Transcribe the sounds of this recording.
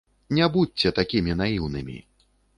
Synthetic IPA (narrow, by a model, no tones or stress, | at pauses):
nʲabut͡sʲːt͡sʲɛt̪akʲimʲinajiwnɨmʲḭ